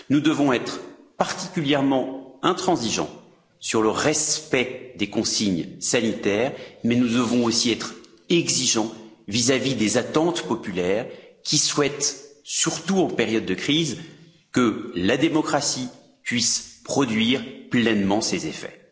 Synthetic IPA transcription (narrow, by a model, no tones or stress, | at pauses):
nud̪əvɔ̃ɛt̪χpaʁt̪ikʲyljɛʁmɑ̃ɛ̃t̪χɑ̃ziʒɑ̰̃ | syʁləʁɛspɛd̪ekɔ̃siɲsanit̪ɛːʁmɛnud̪əvɔ̃osiɛt̪χ | ɛɡziʒɑ̃ | vizavid̪ezat̪ɑ̃t̪pɔpylɛːʁkʲiswɛt̪syʁt̪uɑ̃peʁjɔd̪ːəkχiz | kəlad̪emɔkχasi | pɥispχɔd̪ɥiʁplɛnmɑ̃sezefɛ̰